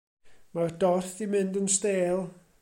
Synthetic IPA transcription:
mardɔrθimɪndənsteːlˠ

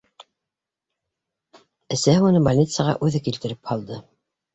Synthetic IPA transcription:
ɘ̆sæhɘunɤbɐlʲnʲit̪sjəʁɑ̰ʔʉðɘkilt̪ɘ̆ɾɘphɑlˠd̪ɤ

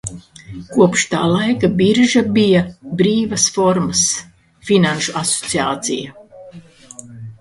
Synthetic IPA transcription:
kuɔpʃt̪a̰ːlˠajkabiɾʒabijabɾiːvɐsfɔɾmas | finanʃuasot̪siaːt̪sija

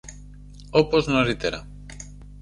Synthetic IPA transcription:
opoznoɾit̪eɾa̰

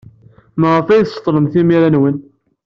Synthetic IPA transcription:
məʁəfæjθst̪ˤːləmθimiɾænwən

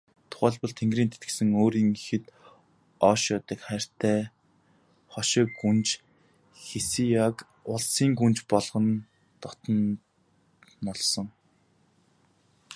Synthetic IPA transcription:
t̪ʰʊ̥χæːɮpɞ̆ɮt̪ʰeŋɡriːnt̪ʰet̪ɡɘ̆sɘ̆ŋoːɾiːŋixɘ̆t̪ | ɔːʃjɔt̪ə̆kχær̥t̪ʰæː | χɔʃɪ̆ɡunt͡ɕ | xesijak | ʊɮsiːŋɡunt͡ɕpɔɮʁɞ̆n | t̪ɔt̪ɞ̆n | ɔɮsɞ̆ŋ

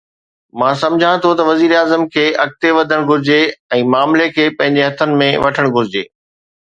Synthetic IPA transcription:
mãːsɐ̃md͡ʑʱãɽ̃t̪ʰot̪ɐʋɐziːɾaːzəmkʰeːʔɐk̚t̪eʋɐd̪ʱəɽ̃ɡʱʊɾɪd͡ʑeɛ̃ːmaːmlekʰeːpɐ̃ɦɪ̃ɲd͡ʑeɦɐt̪ʰənɪ̆mẽʋɐʈʰəɽ̃ɡʱʊɾɪd͡ʑḛː

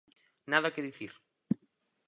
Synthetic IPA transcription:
naðakeðiθiɾ

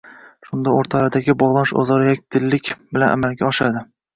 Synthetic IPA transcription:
ʃʊnd̪aoɾt̪ʰalaɾd̪aɡʲɪbɒʁlˠanɪʃɒ̰zɒɾɪjak̚ʲd̪̥ɪlːɪkʲbɪlanʔa̰malɡʲaɒʃad̪ɪ

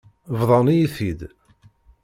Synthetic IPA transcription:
vðˤɑnijiθid̪

